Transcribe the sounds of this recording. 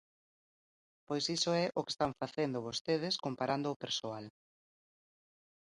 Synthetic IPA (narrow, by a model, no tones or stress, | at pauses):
pojsisoɛʔʊke̥st̪aɱfaθend̪ʊβost̪eð̞ɪskompaɾand̪ʊːpeɾsoal